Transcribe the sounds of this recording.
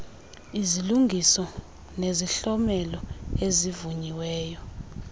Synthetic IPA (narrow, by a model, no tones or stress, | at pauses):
iziluŋɡʱisɔ | neziɬɔmɛlɔezivuɲiwɛːjɔ